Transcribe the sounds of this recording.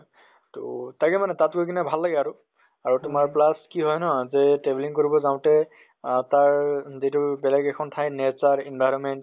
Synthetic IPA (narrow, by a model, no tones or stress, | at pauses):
to̰taɡɛmanɛtatkojkinabʱalːaɡɛaɹʊ | aɹutʊmaɹplaskiɦɔjnɔzɛtɹebiliŋkoɹibɔzaʊ̃tɛ | taɹzitubɛlɛɡɛkʰɔntʰajnɛzaɹinbʱajɹɔnmɛnt